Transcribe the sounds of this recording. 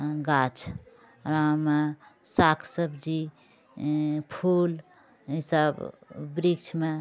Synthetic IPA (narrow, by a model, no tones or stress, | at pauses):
ɡat͡ʃʰ | ɾamesakʰsəbd͡ʒi | pʰul | ɦisəbbɾikt͡ʃʰme